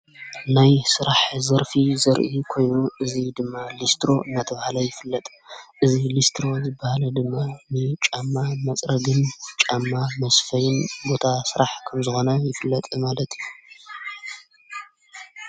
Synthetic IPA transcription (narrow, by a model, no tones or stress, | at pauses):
najsɨɾaħzɐɾfizɐɾʔikʰo̞jnuʔɨzid̪ɨmːalist̪ʰɾo̞ɨnːat̪ʰɐβahalɐjɪfɨlːɐt̪ʼ | ʔɨzilist̪ʰɾo̞zɨbːahalɐd̪ɨmːanɨt͡ʃʼamːamɐt͡sʼɾɐɡɨnt͡ʃʼamːamɐsfɐjɨnbo̞t̪ʰasɨɾaħkʰɐmzɨxo̞nɐjɪfɨlːɐt̪ʼmalɐt̪ʰiju